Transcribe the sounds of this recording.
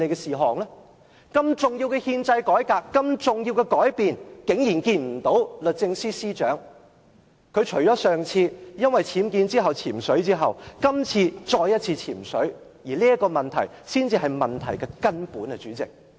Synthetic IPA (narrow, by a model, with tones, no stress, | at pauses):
e˨˧jkɛ˧siː˨ɦɔː˨˩ŋlɛ˥ | kɐ˧mt͡sʊ˨˩ŋjiː˧wkɛ˧hiː˧nt͡sɐ˧jkɔː˨˥jkaː˧kːɐ˧mt͡sʊ˨ŋjiː˧wkɛ˧kɔː˨˥jpiː˨nkɪ˨˥ŋjiː˨˩nkiː˧nm̩˨˩t̪o˨˥wlɵ˨t̚t͡sɪ˧ŋsiː˥siː˥t͡ʃœː˨˥ŋ | kʰɵ˨˧t͡ʃʰɵ˨˩ɥt͡ʃɔː˨˥sœː˨ŋt͡sʰiː˧jɐ˥nwɐ˨jt͡sʰiː˨˥mkiː˧nt͡siː˥ɦɐ˨˩wt͡sʰiː˨˩msɵ˨˥ɥt͡siː˥ɦɐ˨˩wkɐ˥mt͡sʰiː˧t͡sɔː˧jːɐ˥t̚t͡sʰiː˧t͡sʰiː˨˩msɵ˨˥ɥ | jiː˨˩liː˥ɐ˥kɔː˧mɐ˨nt̪ʰɐ˨˩jsiː˥nt͡siː˧ɦɐ˨jmɐ˨˩nt̪ʰɐ̰˨˩jkɛ˧kɐ˥npuː˨˥nɛ˧t͡ʃyː˨˥t͡sɪ̰˨k̚